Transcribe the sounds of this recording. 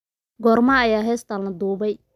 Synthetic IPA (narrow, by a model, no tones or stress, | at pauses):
ɡɔːrmaːjaːɦɛːst̪ʰaːlɐd̪uːβɛj